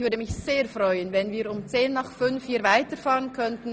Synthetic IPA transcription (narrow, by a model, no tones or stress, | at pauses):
vʏdəmɪçseːɐfʁɔʏənvɛnviːɐɾʊmt͡seːnːaχfʏnfjiːvaɪtəfaːʁənkʰœntn̩